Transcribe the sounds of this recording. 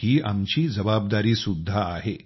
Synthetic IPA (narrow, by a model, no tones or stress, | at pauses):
iːa̰mt͡ɕiːd͡zəbab̚d̪aɾiːsud̪ʱːaːɦe